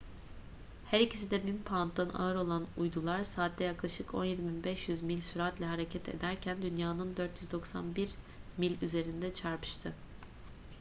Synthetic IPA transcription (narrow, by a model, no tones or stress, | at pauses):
hæɾicʰis̬id̪ɛbinpʰant̪d̪ana̰ɯɾo̞lˠanujd̪ulˠaɾsaːt̪̚d̪ɛjaklˠaʃɯko̞̰njed̪iminbɛʃjyzmilʲsyɾat̪lʲɛɦaɾecʰɛt̪ʰe̞̰d̪æɾcʰænd̪ynjaːnɯnd̪øɾt̪ʰjyzd̪o̞ksa̰nbiɾ | milʲyze̞ɾind̪ɛt͡ʃʰaɾpʰɯ̥ʃt̪ʰɯ